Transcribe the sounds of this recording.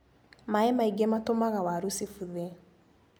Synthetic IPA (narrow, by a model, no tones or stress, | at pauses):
maɛmaiɡɛmatomaɣawaɾusifuðɛ